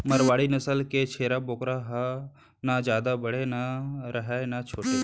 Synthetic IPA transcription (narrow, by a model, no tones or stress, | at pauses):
məɾʋaːɽinəsəlket͡ʃʰeːɾaboːkɾaɦa | nad͡ʒjaːd̪abəɽenaɾəɦaenat͡ʃʰoːʈe